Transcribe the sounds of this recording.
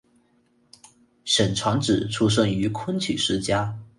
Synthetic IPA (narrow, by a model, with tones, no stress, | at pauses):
ʂə˨˩nʈ͡ʂʰwɑ˧˥ŋʈ͡ʂɻ̩˨˩ʈ͡ʂʰu˥ʂ̬ə˥˩ŋy˧˥kʰwə˥nt͡ɕʰy̰˨˩ʂɻ̩˥t͡ɕja˥